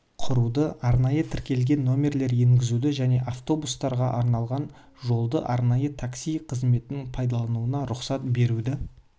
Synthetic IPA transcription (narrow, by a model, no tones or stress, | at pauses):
qʰʊɾud̪əɑɾnɑjət̪ʰɪɾkʲe̞lɡʲe̞nːo̞mʲe̞ɾle̞ɾje̞ŋɡʲɪzud̪ɪʒæne̞ʔaft̪o̞bust̪ɑɾʁɑʔɑɾnɑlˠʁɑn | ʒo̞lˠd̪əʔɑɾnɑjət̪ʰaksijqʰəzme̞t̪ɪnɪŋpʰɑjd̪ɑlˠɑnuənɑɾʊqsɑt̪be̞ɾud̪ɪ